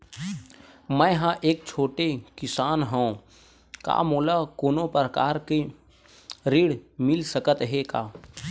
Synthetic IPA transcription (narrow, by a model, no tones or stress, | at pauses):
mə̃ɦãʔeːk̚t͡ʃʰoːʈekɪsaːnɦɛ̃ | ka̰ːmoːlakoːnopɾəkaːɾke | ɾiːɽmɪlsəkət̪ɦekaː